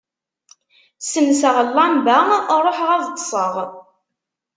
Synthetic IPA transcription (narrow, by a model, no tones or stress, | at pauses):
sənsəʁəlːɑmbærˤoħʁæðt̪ˤːsˤəʁ